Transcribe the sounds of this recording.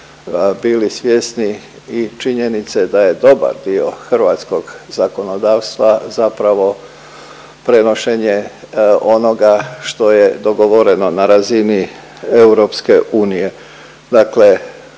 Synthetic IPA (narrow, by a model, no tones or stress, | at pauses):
bilisʋjesni | it͡ʃiɲenit̪sed̪aje̞d̪o̞ba̰ɾd̪io̞xr̩ʋat̪sko̞ɡzako̞no̞d̪aːʋst̪ʋazapɾaʋo̞ | pɾe̞no̞ʃe̞ɲe | o̞no̞ɡaʃt̪o̞jed̪o̞ɡo̞ʋo̞ɾe̞no̞naɾazini | e̞uɾo̞pske̞ʔuːnije̞ | d̪akle̞